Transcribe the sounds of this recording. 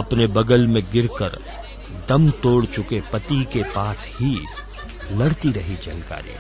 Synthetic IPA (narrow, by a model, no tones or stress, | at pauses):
ɐpnebɐɡəlmẽɡɪɾkə̰ɾ | d̪ɐmt̪oːɽt͡ʃʊkepɐt̪ikepaːshi | lɐɽt̪iɾɐɦid͡ʒɐlka̰ːɾḭ